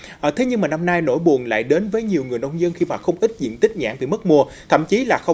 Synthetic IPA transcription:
ʔːt̪ʰe˨˦ɲɨ˧ŋmaː˨˩na˧mnaː˧jno̰˧˥jɓu˨˩ənla̰ː˧˨jɗe˨˦nvəː˨˦jɲi˨˩əwŋɨ˨˩əjnə˧wŋ͡mzə˧nxi˧ma̰ː˧˨xə˧wŋ͡mʔi˦˥t̟̚zḭ˧˨ənt̪ï˦˥k̟̚ɲa̰ː˧˩ŋvḭ˧˩mə˦˥t̚mu˧ət̪ʰə̰˧˨mt͡ɕi˨˦laː˨˩xə˧wŋ͡m

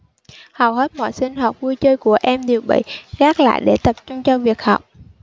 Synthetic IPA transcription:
hə˨˩whe˦˥t̚mɔ̰˧˨jsï˧ŋ̟ɦwa˨˩p̚vu˧jt͡ɕəː˧jku˧˩əʔɛ˧mɗi˨˩əwɓḭ˧˨ɣaː˦˥k̚la̰ː˧˨jɗe˧˩t̪ə˨˩p̚t͡ɕʊ˧ŋ͡mt͡ɕɔ˧vi˨˩ək̚hɔ˨˩wk͡p̚

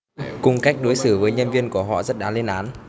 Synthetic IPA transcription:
kʊ˧ŋ͡mka˦˥jk̚ɗo˨˦jsɨː˧˩vəː˨˦jɲə˧nvi˧ənku˧˩əɦɔ̰˧˨zə˦˥t̚ɗaː˨˦nle˧nʔaː˨˦n

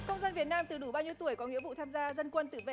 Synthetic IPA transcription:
kə˧wŋ͡mzaː˧nvi˨˩ət̚naː˧mt̪ɨ˨˩ɗu˧˩ɓaː˧wɲi˧əwt̪u˧˩əjkɔ˨˦ŋḭ˧˥əwvṵ˧˨t̪ʰaː˧mzaː˧zə˧nkwə˧nt̪ɨ̰˧˩vḛ˧˨

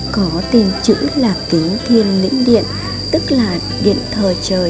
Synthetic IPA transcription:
kɔ˨˦t̪i˨˩mt͡ɕɨ̰˧˥laː˨˩p̚k̪i˨˦əŋt̪ʰi˧ənːḭ˧˥ŋɗḭ˧˨ən | t̪ɨ˦˥k̚laː˨˩ | ɗḭ˧˨ənt̪ʰəː˨˩t͡ɕəː˨˩

